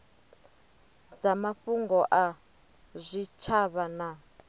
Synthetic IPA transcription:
d͡zamaɸuŋɡɔʔa | zʷit͡ʃʰaβana

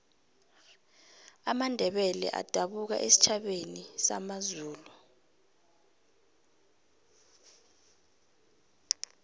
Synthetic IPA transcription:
amandʱɛɓɛlɛ̰ʔa̰d̥ʱaɓuk̬a̰ʔesi̥t͡ʃʰaɓenisa̰mazuːlu

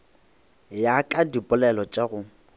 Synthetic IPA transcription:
jakʼadipʼʊlɛlɔt͡ʃʼaɣʊ

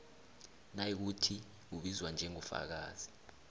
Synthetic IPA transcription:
najik̬utʰi | uɓizwand͡ʒʱɛŋufa̰k̬a̰ːz̥i

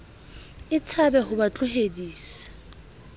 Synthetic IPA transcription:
ɪt͡sʰabɛɦʊbat͡ɬʼʊɦediːsḁ

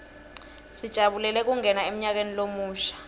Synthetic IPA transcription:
sid̥ʒ̥ʱaɓulɛlɛk̬uŋɛnaem̩ɲak̬enilomuːʃḁ

